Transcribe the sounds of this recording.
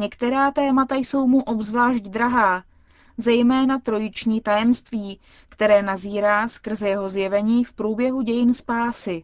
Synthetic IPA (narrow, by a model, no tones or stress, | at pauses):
ɲɛkt̪ɛɾaːt̪ɛːmat̪ajso̞wmuʔo̞bzvlaːʃɟd̪ɾaɦaː | zɛjmɛːnat̪ɾo̞jɪt͡ʃɲiːt̪ajɛmst̪viː | kt̪ɛɾɛːnaziːɾaːskr̩zɛjɛɦo̞zjɛvɛɲiːfpɾuːbjɛɦuɟɛjɪnspaːsɪ